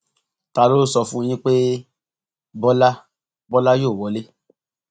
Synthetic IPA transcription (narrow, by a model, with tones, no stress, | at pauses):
ta˧lo˦sɔ˧fũ˦j̃ĩ˦k͡pe˦ | bɔ˦la˦ | bɔ˦la˦joː˦˨wɔ˨˦le˦